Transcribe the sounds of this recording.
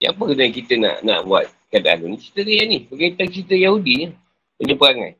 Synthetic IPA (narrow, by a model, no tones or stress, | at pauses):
ja̰pəɡunakit̪əna̰ʔna̰ʔbwa̰t̪̚kada̰lunit͡ʃi̥t̪ədəjanibəɡait̪aŋt͡ʃitəjahudiɲa | ənəpəɾaŋa̰